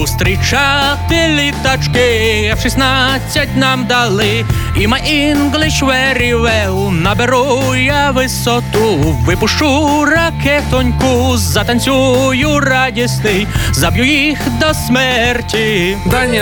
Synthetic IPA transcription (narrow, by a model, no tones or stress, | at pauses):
ʊst̪ɾɪt͡ʃat̪ɪlʲit̪at͡ʃkɪɐʃisnat͡sʲːɐt̚ʲnamd̪alˠɪimajʔinɡlˠɪʃʋɛɾʲiʋɛwnɐbɛɾujaʋɪsɔt̪uʋɪpʊʂuɾɐkɛt̪ɔnʲkʊzɐt̪ɐnʲsʲujʊradʲist̪ɪzɐbʲjujixd̪ɔsmɛrtʲid̪anʲː